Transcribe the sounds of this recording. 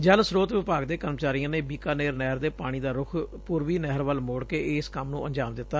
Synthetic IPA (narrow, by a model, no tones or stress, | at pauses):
d͡ʒəlsɾoːt̪ʋɪpaːɡd̪eːkəɾmət͡ʃaːɾijãːneːbiːkaːneːɾnɛːɾd̪eːpaːɽ̃iːd̪aːɾʊkʰpuːɾʋiːnɛɦɾʋəlmoːɽkeːɪːskəmnũːəɲd͡ʒaːmd̪ɪt̪ːaː